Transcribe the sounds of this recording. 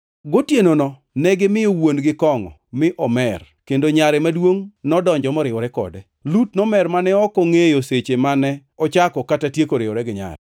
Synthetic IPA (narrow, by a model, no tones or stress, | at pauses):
ɡotjenonɔ | nɛɡɪmɪjowondɡɪkɔŋɔ̰mɪʔɔmɛr | kendoɲaɾɛmadwoŋnɔdɔɲd͡ʒɔmɔɾɪwɔɾɛkɔ̰dɛ | lutnɔmɛrmanɛɔkɔŋejoset͡ʃemanɛɔt͡ʃakɔkatatjekoɾɪɔɾɛɡɪɲa̰ɾɛ̰